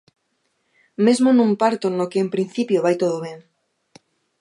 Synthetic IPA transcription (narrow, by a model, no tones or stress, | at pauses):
mezmonũmpaɾt̪onokeːmpɾinθipjoβajt̪oðoβ̞eŋ